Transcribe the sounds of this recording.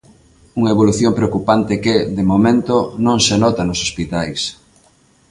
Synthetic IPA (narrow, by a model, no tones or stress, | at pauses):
uŋɐeβoluθjompɾeokupant̪ɪkeðemomẽnt̪onõŋsenɔt̪anʊsospit̪ajs